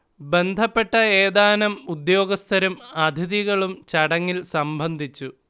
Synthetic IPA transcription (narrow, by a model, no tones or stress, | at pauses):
be̞nd̪ʱɐpːe̞ʈːɐeːd̪aːnɐmud̪jo̞ːɡɐst̪ʰɐɾumɐd̪ʱjɐðiɣɐɭumt͡ɕɐɽɐŋːilsɐmbʱɐnd̪ʱit͡ɕːu